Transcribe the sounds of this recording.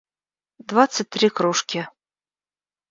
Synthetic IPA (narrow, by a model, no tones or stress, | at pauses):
d̪vat̪sət̚ʲt̪ːɾʲikɾuʂkʲɪ